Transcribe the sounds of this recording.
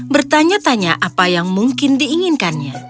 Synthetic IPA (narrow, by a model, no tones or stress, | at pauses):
bərt̪aɲat̪aɲaʔapajaŋmuŋkɪndiːŋɪnkanɲa